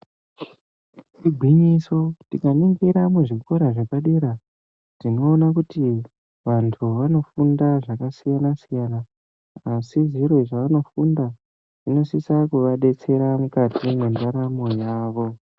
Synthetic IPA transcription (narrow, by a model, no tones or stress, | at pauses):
tiɡʱwiɲiso̞tikaniŋɡiɾamuʐiko̞ɾaʐekaɗeɾa | d̥ino̞ːnak̬uti | ʋantʰuʋano̞fundaʐakasijanasijanaː | siʐiɾwo̞ʐaʋano̞funda | ʐ̥ino̞sisakuʋaɗe̞t͡se̞ɾamukatʰimendaɾamo̞jaːʋo̞